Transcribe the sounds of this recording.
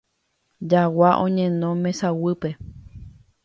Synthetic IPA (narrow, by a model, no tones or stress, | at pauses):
d͡ʒawaʔõɲẽnõmẽsawɨpe